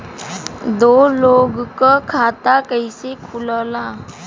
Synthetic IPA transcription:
d̪oːloːɡkakʰaːt̪akəisekʰʊləlaː

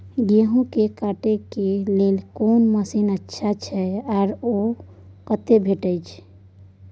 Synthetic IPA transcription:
ɡeɦũkekaʈekelelkonməsinətːʃʰat͡ʃʰɛaɾo | kət̪ebʱeʈəjt͡ʃʰ

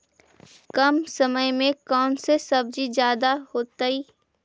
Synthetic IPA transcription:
kɐmsɐməjmẽkɔːnsesɐb̚d͡ʒid͡ʒjaːd̪aɦoːt̪aiː

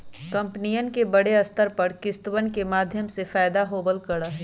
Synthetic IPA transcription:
kɐ̃mpnijənkebɐɽeɐst̪ʰəɾpɐɾkɪst̪wənkemaːd̪ʱjəmsefaːɪd̪aɦoːbəlkɐɽaɦɛ

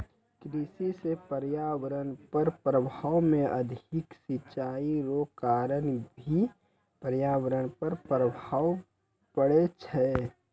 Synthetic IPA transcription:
kɾisisepəɾjaːʋəɾənpəɾpɾəbʱaːwmẽʔə̰d̪ʱɪksɪt͡ʃaːiɾokaːɾənbʱi | pəɾjaːwəɾəɽ̃pəɾpɾəbʱaːw | pəɽet͡ʃʰɛ

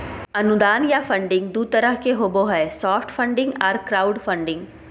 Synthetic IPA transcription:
ɐnʊd̪aːnjafʰə̃ɳɖɪ̃ŋɡd̪ut̪əɾəɦkeɦoːboɦɛesɔːfʰʈʰpʰə̃ɳɖɪ̃ŋɡɐɾkɾaːʊɖpʰə̃ɳɖɪ̃ŋɡ

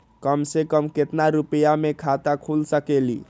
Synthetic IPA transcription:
kəmsekəmket̪naɾupəjamekʰat̪akʰulsəkelḭ

